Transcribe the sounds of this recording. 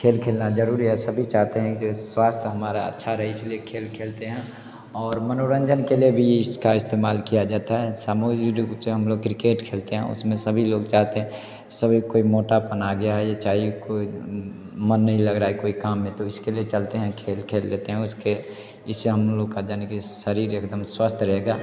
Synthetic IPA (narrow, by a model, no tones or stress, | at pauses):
kʰeːlkʰeːlnad͡ʒəɾuːɾiɦɛsɐbʱit͡ʃaːɦt̪eɦɛ̃eswaːst̪ʰɦɐmaːɾaə̰tːʃʰaɾɛɦɛɪsliekʰeːlkʰeːlt̪eɦɛ̃ | ɔːɾmənoɾə̃nd͡ʒənkeliebʱiɪskaɪst̪eːmaːlkijad͡ʒaːt̪aɦɛsaːmoːɡiɾseɦɐmloːɡkɾɪkeːʈkʰeːlt̪eɦɛ̃ʊ̰smẽsəbʱiloːɡt͡ʃaːɦt̪eɦɛ̃ | səbʱikoːimoːʈapənaɡɐjajet͡ʃaːikoːi | mənːəɦĩləɡɾaːekoːikaːmːẽt̪oɪskeliet͡ʃəlt̪eɦɛ̃kʰeːlkʰeːld̪eːt̪eɦɛ̃ʊske | ɪsːeɦəmloːɡkad͡ʒaːnkiʃəɾiːɾekd̪əmswaːst̪ʰɾəɦeɡaː